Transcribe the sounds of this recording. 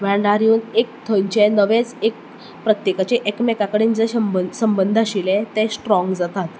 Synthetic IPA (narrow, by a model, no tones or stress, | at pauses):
ʋɛɳɖaɾjuːnek̚t̪ʰəɲt͡ɕenəʋẽt͡sek̚ | pɾət̪jekat͡ɕeʔekmekakəɽiːnd͡zeɕəmbəsəmbənd̪ʱaɕilẽt̪esʈɾɔ̃ŋɡd͡zat̪at̪